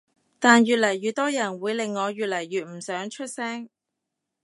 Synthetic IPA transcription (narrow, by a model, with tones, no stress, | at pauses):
t̪aː˨njyː˨t̚lɐ˨˩jːyː˨t̪̚ɔː˥jɐ˨˩nwuː˨˧jlɪ˨ŋːɔː˨˧ɥyː˨t̚lɐ˨˩jɥyː˨t̚m̩˨˩sœː˨˥ŋt͡ʃʰɵ˥t̚sɛː˥ŋ